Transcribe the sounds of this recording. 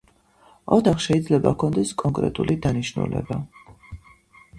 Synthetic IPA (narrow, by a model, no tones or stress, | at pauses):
ɔt̪ʰaχʃɛid̪zlɛbakʰɔnd̪ɛskʼɔŋkʼɾɛ̰t̪ʼulid̪aniʃnṵlɛ̰ba